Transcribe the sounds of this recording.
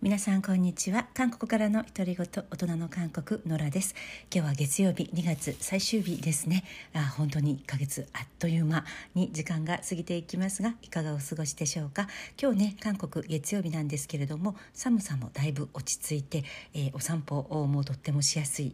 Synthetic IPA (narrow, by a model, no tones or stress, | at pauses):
mʲinasãŋkõ̞ɲ̟ːit͡ɕiβakãŋko̞̥kɯ̟̥kaɾano̞çi̥t̪o̞ɾʲiɡo̞t̪oot̪o̞nano̞kãŋko̞kɯ̟no̞ɾad̪e̞sɨ̥kʲo̞ːβaɡe̞t͡sɨjo̞ːbʲiɲ̟iɡat͡sɨsaiɕɨːbʲid̪e̞sɨne̞aːhõ̞nt̪o̞ɲ̟iːkːaɡe̞t͡sɨat̪ːo̞jɯmaɲ̟id͡ʑikãŋɡasɨɡʲit̪e̞ikʲimasɨɡaikaɡaosɨɡo̞ɕi̥d̪e̞ɕo̞ːkakʲo̞ːne̞kãŋko̞kɯ̟ɡe̞t͡sɨjo̞ːbʲinãnd̪e̞sɨ̥ke̞ɾe̞d̪o̞mo̞samɯ̟samo̞̰d̪̥aibɯ̟o̞t͡ɕi̥t͡sɨit̪e̞ːʔo̞sãmpo̞ʔmo̞t̪o̞t̪ːe̞mo̞ɕijasɨi